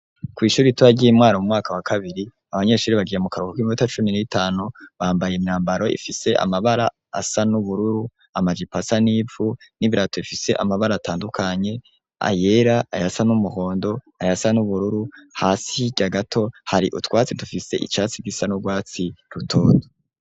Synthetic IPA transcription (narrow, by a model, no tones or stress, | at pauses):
kwiːʃuːɾituaɟiimŋaːɾamumŋaːkawakʰaβiɾi | aβaɲe̞ʃuːɾiβaɡijemukaɾukokwimiutat͡ʃuminitʰaːnuβaːmbajemɲaːmbaɾo̞ʔḭfise̞ʔa̰maβaɾa̰ː | sanuβuɾuɾu | amad͡ʒipasaniːvuniβiɾatoifise̞ʔa̰maβaɾaːtaːndukʰaɲe̞ | a̰je̞ɾaajasanumuho̞ːndo̞ | ajasanuβuɾuɾuhaːsiɟaɡatʰo̞haɾiʔṵtwaːt͡sidufise̞ʔḭt͡ʃaːt͡siɡisanuɡwaːt͡siɾutʰoːdo